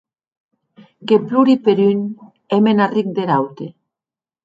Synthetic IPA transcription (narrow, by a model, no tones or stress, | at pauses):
kepluɾipeɾyn | emenarik̚d̪eɾawt̪e